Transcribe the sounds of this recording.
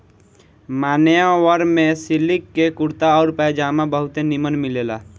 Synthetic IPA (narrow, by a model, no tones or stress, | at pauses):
maːnejãwəɾmẽsilikːekuɾt̪aɔːɾpəjd͡ʒaːmabəɦʊt̪enimənmilela